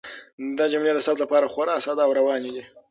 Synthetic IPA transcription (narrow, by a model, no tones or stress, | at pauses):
d̪ad͡ʒamled̪əsabt̪lapɑɾaxaɾɑsɑd̪ɑwɾawɑned̪i